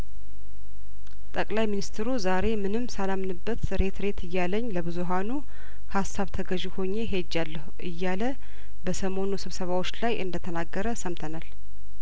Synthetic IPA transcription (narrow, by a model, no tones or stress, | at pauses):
t̪ʼəkʼlajminist̪ʰɾuzaɾe̞mɨnɨmːsalamnɨbːət̪ɾe̞t̪ʰɾe̞t̪ɨjːaləɲːləβɨzuɦanu | hasːaβt̪ʰəɡəʒiho̞ɲːe̞ɦed͡ʒːalːəhʔɨjːalə | bəsəmo̞nusɨβsəβawot͡ʃːlajʔɨ̰nd̪ət̪ʰənaɡːəɾəsəmt̪ʰənal